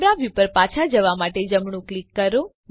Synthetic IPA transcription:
bɾaʋjupəɾpat͡ʃʰad͡ʒəʋamaʈed͡ʒəmɳũklikːəɾo | n

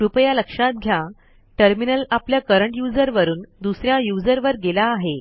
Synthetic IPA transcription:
ɾupjaləkʂãt̪̚ɡʱja | ʈəɾminəlapljakəɾəɳʈjud͡zəɾʋəɾuːnd̪usɾjãjud͡zəɾʋəɾɡelaːɦe

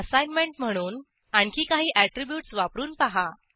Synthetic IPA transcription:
əsajnmeɳʈm̤əɽ̃uːn | aɳkʰiːkaɦiːʔæʈɾibjuːʈsʋapɾuːnpaɦa

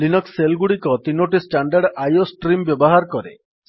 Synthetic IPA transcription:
linɔkselɡuɽikɔt̪inoʈisʈaɳɖaɖajosʈɾimbjɔbɔɦaɾkɔɾḛ

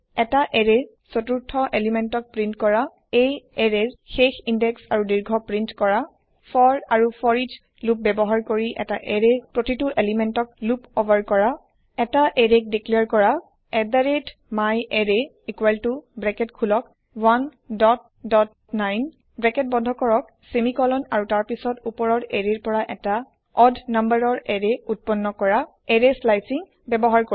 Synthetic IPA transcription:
ɛtaʔɛɹɛɹ | sotuɹtʰɔʔelimɛntɔk̚pɹintkɔɹa | ejɛɹɛɹxexindɛksaɹudiɹɡʱɔpɹintkɔɹa | fɔɹaɹupʰɔɹid͡ʒ | lup̚bɛbɔɦaɹkoɹiʔɛ̰taʔɛɹɛpɹotituʔelimɛntɔk̚lupobaɹkɔɹa | ɛtaʔɛɹek̚dikliaɹkɔɹa | ɛdaɹetmajʔɛɹe | ikwaltubɹɛkɛtkʰulɔk | wan | dɔt̚ | dɔt | najn | bɹɛkɛt̚bɔdʱɔkɔɹɔk̚ | semikɔlɔnaɹutaɹpisɔtupɔɹɔɹɛɹeɹpɔɹaʔɛta | ɔdʱnambaɹɔɹɛɹeut̚pɔnːɔkɔɹa | ɛɹeslajsiŋ | bɛbɔɦaɹko

